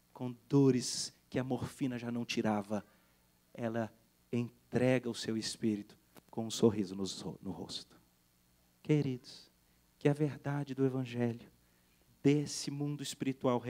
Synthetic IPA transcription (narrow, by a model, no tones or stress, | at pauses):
kõd̪oɾɪskɪɐmoɾfĩnɐʒanɐ̃w̃t͡ʃiɾavɐ | ɛlɐ | ẽt̪ɾɛɡɐʊsewɪspiɾit̪ʊ̥kõũsoɦizʊnʊzo̰nʊho̰st̪ʊ̥ | keɾid̪ʊs | kɪɐveɾd̪ad͡ʒɪd̪ʊevɐ̃ʒɛljʊ | d̪esɪmũnd̪ʊɪspiɾit̪uawɦe